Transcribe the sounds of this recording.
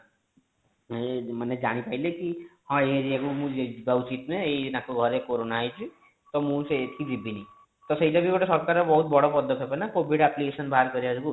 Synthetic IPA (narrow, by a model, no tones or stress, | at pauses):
mʌned͡zanipailekihʌ̃ɦeɾiekomũebawt͡sit̪neejnãkoɡʱʌɾekoɾonaɦʌjt͡sʰi | t̪ʌmũt͡set̪ikid͡zibːini | t̪ʌsʌjd̪abibaʈasʌɾkaɾʌbʌɦut̪̚bʌɽopʌd̪ʱʌkʰjepʌnakobʱiɽaplikesʌnbʱaɾkʌɾiʌɾuku